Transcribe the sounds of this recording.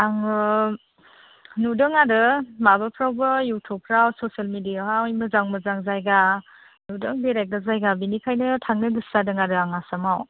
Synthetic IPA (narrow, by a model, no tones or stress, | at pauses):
aŋɯ | nudɯŋadɯmabapʰɾawbɯjutʰupʰɾawsosalmidijaɦawjmɯzaŋmɯzaŋzajɡa | nudɯŋbeɾajk̚dazajɡabinikʰajnɯtʰaŋnɯɡɯsːadɯŋadɯaŋasamaw